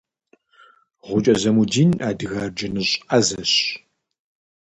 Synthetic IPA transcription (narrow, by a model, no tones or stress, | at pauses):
ʁʷʊt͡ʃʼɐzɐmudiːnaːdɨɣɐrd͡ʒɐnɨɕʼɐzɐɕ